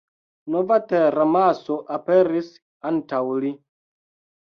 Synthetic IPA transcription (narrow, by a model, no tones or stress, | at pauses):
novateɾamasoʔapeɾis | antawli